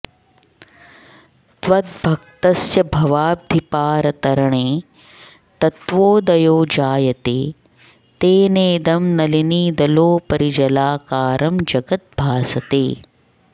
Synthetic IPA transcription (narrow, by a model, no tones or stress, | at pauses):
t̪ʋɐd̪̚bʱɐk̚t̪ɐsjɐbʱɐʋaːb̚d̪ʱipaːɾɐt̪ɐɾɐɳeː | t̪ɐt̪ʋoːd̪ɐjoːd͡ʒaːjɐt̪eː | t̪eːneːd̪ɐmnɐliniːd̪ɐloːpɐɾid͡ʒɐlaːkaːɾʔɐmd͡ʒɐɡɐt̪̚bʱaːsɐt̪eː